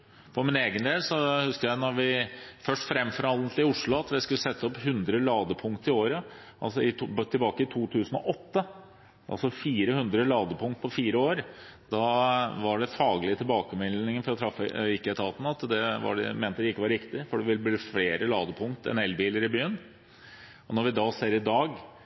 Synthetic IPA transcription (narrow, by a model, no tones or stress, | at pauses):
fɔɾmɪneːɡənd̪eːlsɔhʉskəɾjæɪnɔɾʋɪfœʂʈfɾɛmːfɔɾɑnnt̪ʰɪʊʂɭʊɑt̪ʋɪskʉləsɛt̪ːəɔphʉnd̪ɾəlɑːd̪əpʰʊŋkt̪ɪoːɾə | ʔɑ̰lsɔɪt̪ʰɪlbɑːkəɪt̪ʰuːt̪ʰʉːsən̩ɔʔɔt̪ːə | ʔɑ̰lsɔfiːɾəhʉnd̪ɾəlɑːd̪əpʰʊŋt̪̚pʰɔfiːɾəoːɾd̪ɑʋɑɖɛfɑːɡlɪət̪ʰɪlbɑːkəmɛlnɪŋənfɔɾɔt̪ʰɾɑfːəɪkːəɛt̪ʰɑːt̪n̩ɑt̪d̪ɛʋɑ̰ɖɛ̰meːnt̪əd̪ɛɪkːəʋɑɾɾɪkt̪ɪfɔɖɛʋɪlbliːfleːɾəlɑ̰ːd̪əpʰʊŋkt̪ɛ̰nɛlːbiːləɾɪbyːən | ɔnɔɾʋɪd̪ɑseːɾɪd̪ɑːɡ